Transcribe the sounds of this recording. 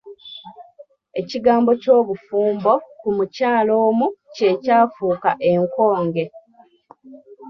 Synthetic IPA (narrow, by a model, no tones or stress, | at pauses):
e̞ciɡaːmbo̞co̞ːβufuːmbo̞kumucaːlo̞ːmuce̞caːfuːkaʔe̞ŋko̞ːŋɡe̞